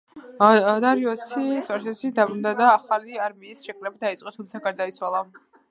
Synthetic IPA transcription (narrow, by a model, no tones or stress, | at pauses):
d̪aɾiɔsispaɾtɛsid̪abɾumd̪ad̪aːχaliaɾmiːsʃɛkʼɾɛbad̪ait̪sʼɔt̪ʰumt̪sʰaɡaɾd̪ait̪sʰwalˠa